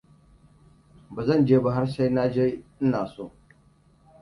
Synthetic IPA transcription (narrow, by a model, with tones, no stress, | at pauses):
ba˨zɐ˦˨nd͡ʒeː˦bɐ˦ɦa˦ɾʃa˦jna˦d͡ʒeː˦ɪ˦naː˨soː˦˨